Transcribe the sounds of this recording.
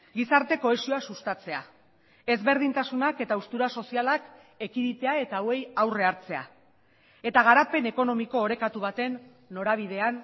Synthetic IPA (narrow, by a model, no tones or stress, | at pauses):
ɡisaɾt̪e̞ko̞e̞sio̞asust̪at͡se̞a | e̞zβe̞ɾð̞int̪asunake̞t̪aust̪uɾaso̞sialak | e̞kiɾit̪e̞ae̞t̪awe̞jawre̞aɾt͡se̞a̰ | e̞t̪aɣ̞aɾape̞ne̞ko̞no̞miko̞ːɾe̞kat̪uβat̪e̞nː | o̞ɾaβ̞ið̞e̞an